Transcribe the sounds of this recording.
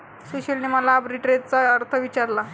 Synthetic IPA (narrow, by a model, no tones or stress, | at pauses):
soɕəlniməlaːbɾiʈɾet͡saəɾt̪ʰəʋit͡ɕaɾla